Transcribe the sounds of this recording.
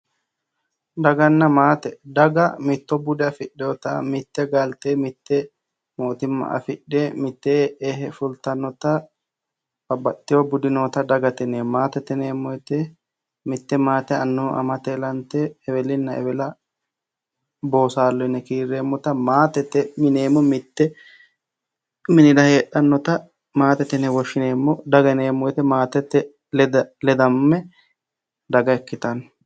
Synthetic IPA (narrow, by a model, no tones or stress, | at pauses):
d̪ɐɡɐnːɐmaːt̪ɛd̪ɐɡɐmɪt̪ːɔbʊd̪ɛɐfɪɗːɛɔt̪ɐmɪt̪ːɛɡɐlt̪eːmɪt̪ːɛ | moːt̪ɪmːɐ̰ʔɐ̰fɪᶑːeːmɪt̪ːeɛɦɛfʊlt̪ɐnɔt̪ɐ | b̥ɐbɐt̪ːɪjobʊd̪ɪnoːt̪ɐd̪ɐɡɐt̪ɛneːmaːt̪ɛt̪ɛneːmːɔɛt̪ɛ | mɪt̪ːɛmaːt̪ɛɐnːuʔɐ̰mɐt̪elɐnt̪ɛːwɛlɪnːɐɛ̰wɛlɐ | bo̞ːsaːlːɔnːɛkiːɾːeːmːɔt̪ɐmaːt̪ɛt̪ːɛmɪneːmːɔmɪt̪ːɛ | mɪnɪd̪ɐheːɗɐnːɔt̪ɐ | maːt̪ɛt̪ɛnɛwɔʃːɪneːmːɔd̪ɐɡɐneːmːɔjt̪ɛmaːt̪ɛt̪ːɛ | ld̪lɛd̪ɐmːɛ | d̪ɐɡɐɛkːɪt̪ɐn